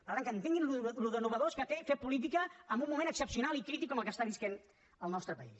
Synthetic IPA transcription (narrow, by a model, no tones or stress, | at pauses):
əaɾəŋkənt̪eŋɡinluluðənuβəðoskət̪efepulit̪̬ikəːmbumːumẽnəksəpsijunalikɾit̪ikːɔməlˠkəst̪aβisken | əlˠnɔst̪ɾəpəḭs